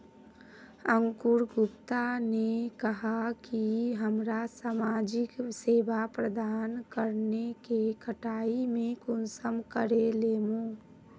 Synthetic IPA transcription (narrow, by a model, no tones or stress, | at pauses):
ə̃ŋkʊɾɡʊpt̪anekəɦakiɦəmɾasaːmaːd͡ʒɪkseːʋapɾəd̪aːnkəɾnekekʰəʈaːimẽkʊnsəmkəɾeleːmoː